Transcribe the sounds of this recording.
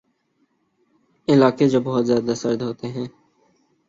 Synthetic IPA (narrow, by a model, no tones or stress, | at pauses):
ɪlaːked͡ʒoːbɔɦʊt̪zjaːd̪asəɾd̪ɦoːt̪eɦɛ̃ː